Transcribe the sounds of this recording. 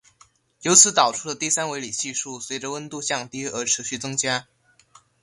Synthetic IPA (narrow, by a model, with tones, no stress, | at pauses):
jo˧˥ʊt͡sʰɹ̩˧˥t̪ɑ˨˩ʊʈ͡ʂʰu˥d̪ə˨t̪i˥˩sa˥nwe˧˥ɪli˨˩ɕi˥˧ʂu˥˩swe˧˥ɪʈ͡ʂə˧wə˥nt̪u˥˧ɕjɑ˥˩ŋt̪i˥ə˞˧˥ʈ͡ʂʰɻ̩˧˥ɕy˥˩t͡sɤ˥ŋt͡ɕja˥